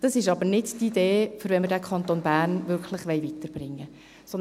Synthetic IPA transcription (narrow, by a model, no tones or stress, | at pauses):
d̥ɑsɪʃɑbəɾnɪdtideːfʏɾʋɛnmədækʰɑnt̪onbæːrnvʏɾkʰləχʋɛɪvit̪əɾb̥rɪŋːə | sɔn